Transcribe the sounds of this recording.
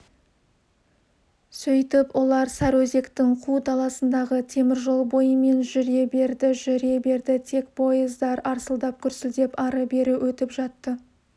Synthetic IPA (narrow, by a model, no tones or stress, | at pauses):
sɵjt̪ɪpwʔo̞lˠɑɾsæɾwɵze̞kt̪ɪŋqʰud̪ɑlˠɑsənd̪ɑʁət̪ʰe̞mɪɾʒo̞lˠbo̞jəme̞nʒʏɾe̞be̞ɾd̪ɪʒʏɾe̞be̞ɾd̪ɪt̪ʰe̞kpʰo̞jəzd̪ɑɾɑɾsəlˠd̪ɑp̚kʲʰʏɾsɪld̪e̞pɑɾəbe̞ɾɪwʔɵt̪ɪpʒɑt̪ːə